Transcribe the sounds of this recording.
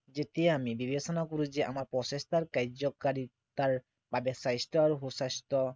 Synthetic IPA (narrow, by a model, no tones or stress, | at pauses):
d͡ʑet̪eamibibesɔnakoɾud͡ʑeʔa̰maɾpɾɔseʃt̪ʰaɾkajd͡ʑokaɾi | t̪aɾ | b̥abesajsʈaɾɦosast̪ɔ